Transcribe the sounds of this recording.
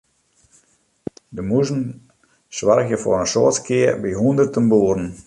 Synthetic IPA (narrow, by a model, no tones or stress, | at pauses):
dəmuzən̩ | sʋarəxjəfo̰rənsoːtkʰɪərbiɦundərtənbuːəɾən̩